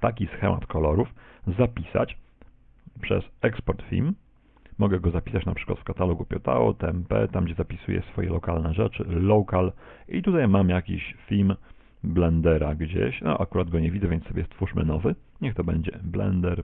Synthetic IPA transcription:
t̪akʲisxɛmʔa̰t̪kʰɔlɔɾufzapʲisa̰t͡ɕ | pʂɛ̰sɛkspɔɾt̪fʲḭlmː | ɔɡɛɡɔzapʲi̥sat͡ɕnapʂɘ̥kwa̰t̪fkat̪alɔɡupʲɔt̪a̰ɔ̰t̪ɛmpɛ̰t̪amɡd͡ʑɛzapʲisujɛ̰sfɔjɛlɔkalnɛʐɛt͡ʂɘːɔkal | ʔit̪ut̪ajmamjakʲḭɕfʲilm | blɛnd̪ɛɾaɡd͡ʑḛɕnɔ̰ʔakuɾad̪̚ɡɔɲɛvʲidzɛvʲjɛnsɔbʲjɛst̪fuʂmɘ̰nɔvɘ | ɲɛxt̪ɔbɛɲd͡ʑɛblɛ̰nd̪ɛɾ

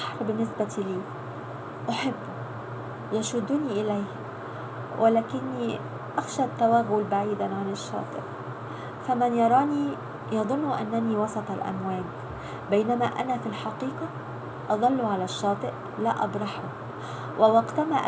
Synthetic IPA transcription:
ħɾbɪnːɪsbæt̪iliː | ʔoħebːʊ | jæʃʊd̪ːʊniʔɪlæjh | wʔælæːkɪnːi | ʔæxʃæt̪ːæwæːɣʊlbaʕiːd̪ænʕanɪʃːɑ̰ːt̪ˤɨ̰ʔ | fæmænjɑɾˤɑːniː | jɑd̪ˤʊnːʔæ̰nːæniːwɑsˤɑt̪ˤɑlʔæ̰mwæːɡ | bæjnæmæʔæ̰næfilħɑqiːqɑ | ʔɑd̪ˤɑlːuʕalæʃːɑːt̪ˤɨʔ | læʔɑ̰bɾˤɑħʊ | wʔæwɑɡt̪æmæ̰ʔ

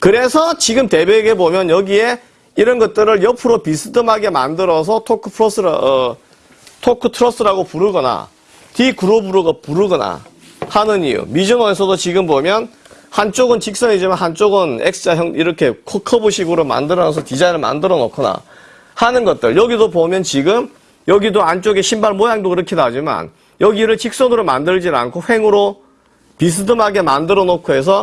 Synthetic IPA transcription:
kɯɾe̞sʰʌt͡ɕiɡɯmte̞beːɡe̞bomjʌnjʌɡie̞ | iɾʌnɡʌt̚t͈ɯɾɯɭjʌpʰɯɾopisʰɯdɯmɦaɡe̞ma̰ndɯɾʌs̬ʰʌtʰokʰɯpʰɾʌs͈ɯɾʌ | tʰokʰɯtʰɯɾʌs͈ʰɯɾaɡopuɾɯɡʌna̰ | tikuɾobuɾoɡapuɾɯɡʌna̰ | hanɯnijṵmid͡ʑʌnoesʰʌdot͡ɕiɡɯmbomjʌn | hant͡ɕ͈oɡɯnt͡ɕik̚s͈ʌɲid͡ʑimanhant͡ɕ͈oɡɯneksɯ̥t͡ɕ͈ajʌŋiɾʌkʰe̞kʰʌkʰʌboɕʰiɡɯɾoma̰ndɯɾʌnʌsʰʌkid͡ʑainɯɭma̰ndɯɾʌno̰kʰɯna̰ | hanɯnɡʌt̚t͈ɯɭjʌɡidopomjʌnt͡ɕiɡɯm | jʌɡidoant͡ɕ͈oɡeɕʰimbaɭmojaŋdoiɾʌkʰidaɦd͡ʑima̰n | jʌɡiɾɯɭt͡ɕik̚s͈ʌnɯɾoma̰ndɯɭd͡ʑina̰nkʰoɸe̞ŋɯɾo | pis̬ʰɯdɯmɦaɡe̞mandɯɾʌnokʰoɦe̞s̬ʰʌ

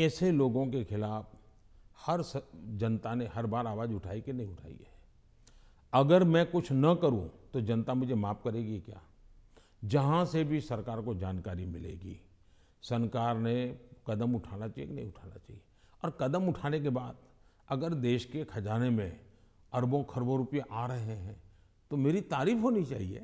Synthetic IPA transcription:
ɛːseloːɡõkexʰɪlaːf | hɐɾsd͡ʒɐnt̪aneɦɐɾbaːɾaːʋaːd͡ʒʊʈʰaːikenɐɦĩʊʈʰa̰ːḭɛ | ɐɡəɾmɛ̃kʊt͡ʃʰnɐkəɾṵ̃t̪od͡ʒɐnt̪amʊd͡ʒʱemaːp̚kɐɾeːɡikja̰ː | d͡ʒɐɦãsebʱisɐɾkaːɾkod͡ʒaːnkaːɾimɪlḛːɡḭː | sɐnkaːɾnekɐd̪əmʊʈʰaːnat͡ʃaeknɐɦĩʊʈʰaːna̰t͡ʃa̰ːɦieɔːɾkɐd̪əmʊʈʰaːnek̬ebaːd̪̚ | ɐɡəɾd̪eːʃkekʰɐd͡ʒaːnemẽ | ɐɾbõkʰɐɾbõɾʊpijeʔaːɾɐɦeɦɛ̃ | t̪omeːɾit̪aːɾiːfɦoːnit͡ʃaːɦiḛː

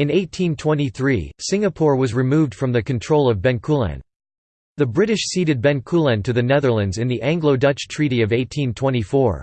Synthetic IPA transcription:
ɨ̃neɪtʰĩntʰw̥ɛ̃ñiθɹḭsɪ̃ŋɨpʰɔɹwʌzɹɨmuvd̥fɹʌ̃mðɨkɨ̃n̩tʰɹ̥oʊlˠʌvbɛ̃nkʰulˠæ̰̃n | ðɨbɹɪɾɨʃsiɾɨd̚bɛ̃nkʰulˠɨ̃ntʰɨðɨnɛðə˞lˠɨ̃ndzɨ̃nðiʔæ̃ŋɡloʊdʌt͡ʃtʰɹ̥iɾiʌveɪtʰĩntʰw̥ɛ̃ɾ̃ifɔɹ

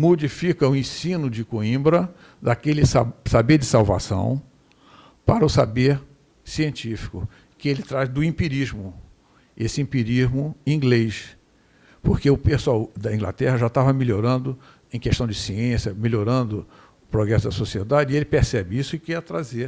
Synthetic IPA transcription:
mod͡ʒifikɐʊẽsĩnʊd͡ʒɪkoĩbɾɐ | d̪akelɪsasabeɾd͡ʒɪsawva̰sɐ̰̃w̃ | paɾɐʊsabeɾ | siẽnt͡ʃifi̥kʊ̰ | kɪelɪt̪ɾaʒd̪ʊĩmpiɾiʒmʊ | esɪĩmpiɾiʒmʊĩɡlejʃ | poɾkeʊpesawd̪ɐĩɡla̰t̪ɛɦɐʒat̪avɐmilʲoɾɐ̃nd̪ʊ | ẽj̃keʃt̪ɐ̃w̃d͡ʒɪsiẽsjɐmelʲoɾɐ̃nd̪ʊ | ʊpɾoɡɾɛsʊd̪ɐsosied̪ad͡ʒɪelɪpesɛbɪisʊɪkɛt̪ɾaze

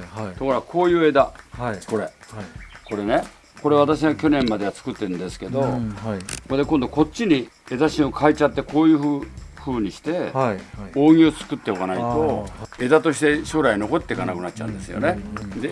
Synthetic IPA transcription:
t̪o̞koɾkʰo̞ːjɯ̟ːe̞d̪ako̞ɾe̞ | ko̞ɾe̞ne̞ | ko̞ɾe̞β̞at̪aɕ̬iɡakʲo̞nẽ̞mmad̪e̞at͡sɨ̥kɯ̟t̪ːe̞ɯ̟nd̪esɨ̥ke̞d̪o̞ | kd̪ekõ̞nd̪o̞ko̞t͡ɕːiɲ̟ie̞zaɕĩokʰaet͡ɕat̪ːe̞ko̞ːjɯ̟ːɸɯ̟ːɲ̟iɕi̥t̪e̞ | oːŋ̟ʲiot͡sɨ̥kɯ̟t̪ːeokanait̪o̞e̞d̪at̪o̞ɕi̥t̪e̞ɕo̞ːɾaino̞ko̞t̪ːe̞ikanakɯ̟natt͡ɕa̰ɯ̟̰̃nd̪e̞sɨjo̞̰ne̞d̪e

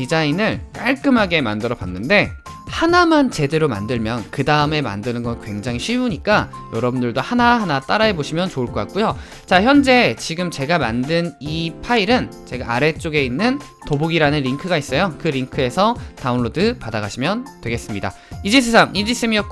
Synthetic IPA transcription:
id͡ʑainɯɭk͈aɭk͈ɯmɦaɡe̞mandɯɾʌbanːɯnde̞ | hanamant͡ɕe̞de̞ɾoma̰ndɯɭmjʌnkɯdaɯme̞ma̰ndɯnɯnɡʌnkwe̞ŋd͡ʑaŋɦiɕʰiuɲik͈ajʌɾʌbundɯɭdohanahanat͈aɾae̞boɕʰimjʌnt͡ɕoɯɭk͈ʰʌkak̚k͈ujo | t͡ɕaçjʌnd͡ʑe̞t͡ɕiɡɯmt͡ɕe̞ɡamandɯnipʰaiɾɯnt͡ɕe̞ɡaaɾe̞t͡ɕ͈oɡe̞inːɯn | toboɡiɾanɯnɾiŋkʰɯɡais͈ʌjokɯɾiŋkʰɯe̞sʰʌtaunɭodɯpadaɡaɕʰimjʌntwe̞ɡe̞s͈ɯmɲida̰ | id͡ʑes̬ʰe̞sʰaŋʔid͡ʑis͈ʰemiʌk

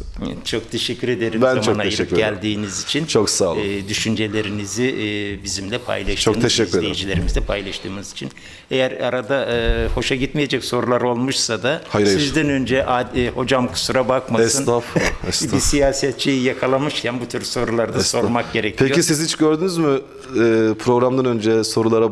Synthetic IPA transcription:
t͡ʃʰo̞kt̪ʰe̞ʃɛcʰːyɾe̞d̪eɾimboonajɯɟælʲd̪iːnizit͡ʃʰint͡ʃʰoksaːlˠd̪yʃynd͡ʒe̞lʲe̞ɾiniziʔːbizimlʲɛpʰa̰jlˠaʃʰomeizlejid͡ʒilʲe̞ɾimizd̪ɛpʰajlˠaʃt̪ʰɯːmɯzit͡ʃʰin | ejæɾaɾad̪aɯho̞ʃaɟit̪meje̞d͡ʒɛcso̞ɾulˠaɾo̞lˠmuʃsad̪ahajɾsizd̪ænø̞nd͡ʒɛʔaho̞d͡ʒamkʰɯ̥suɾabakmaɛssɯnafɛsbisijaːsɛt̪̚t͡ʃʰːijijakʰalˠamɯʃcʰænbut̪ʰyɾso̞ɾulˠaɾd̪aso̞ɾmak̚ɟe̞ɾecʰpʰejisizhit͡ʃɟøɾd̪ynyzmɪ | pʰɾo̞ɡɾamd̪anønd͡ʒɛso̞ɾulˠaɾa

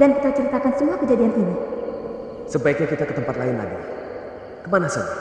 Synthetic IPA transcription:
dankit̪awt͡ʃəɾit̪akansəmuakəd͡ʒadiant̪ini | səbaik̚ɲakit̪akət̪əmpat̪̚laɪnla̰di | kəmanasəd͡ʒa

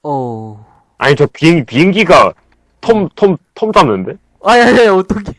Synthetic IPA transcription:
o | a̰ɲit͡ɕopiŋipiɦɯŋɡiɡa | tʰomtʰomtʰomt͡ɕ͈amnːɯnde̞ | ajaeot͈okʰe

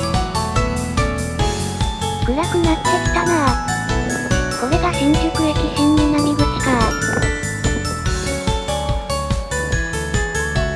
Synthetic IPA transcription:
kɯ̟ɾakɯ̟nat̪ekʲi̥t̪anaa | ko̞ɾe̞ɡaʔẽ̞ŋkʲo̞kɯ̟ekʲisẽɲːɯnaɲʲiɡoɕi̥ka

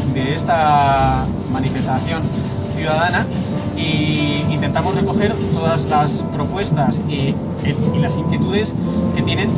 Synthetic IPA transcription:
d̪e̞est̪a | manife̞st̪aθjo̞n | θjuð̞að̞ana | iint̪e̞nt̪amore̞ko̞xe̞ɾt̪o̞ðazlaspɾo̞pwe̞st̪asi | ilasiŋkje̞t̪uð̞e̞ske̞t̪je̞ne̞n

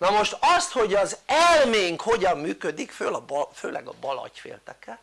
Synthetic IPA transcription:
nɒmoʃt̪ɒst̪ho̞ɟɒzɛlmeːŋkhoɟɒmːyːkød̪ikføːlɒbføːlɛ̰ɡɒ̰bɒlɒ̰cfḛːlt̪ɛkɛl

